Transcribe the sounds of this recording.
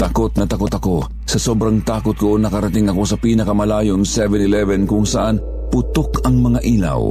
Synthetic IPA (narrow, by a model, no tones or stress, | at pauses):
t̪ɐkot̪̚nɐt̪ɐkot̪ɐko̞ | sɐsobɾaŋt̪aːkʊt̪̚ɡʊʔonːɐkɐɾɐt̪ɪŋɐko̞sɐpiːnɐkɐmɐlaːjoŋsɛvɛnɪlɛvɛnkʊŋsɐʔan | pʊt̪okɐŋmɐŋaʔiːla̰w